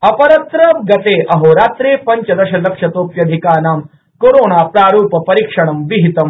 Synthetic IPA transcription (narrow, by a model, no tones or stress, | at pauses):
ɐpɐɾɐt̪ɾɐmɡɐt̪eːʔɐɦoːɾaːt̪ɾeːpɐɲt͡ʃɐd̪ɐɕɐlɐkʂɐt̪oːpjɐd̪ʱikaːnaːm | koɾoːnaːpɾaːɾuːpɐpɐɾikʂɐɳ̃ɐmʋiɦit̪ɐm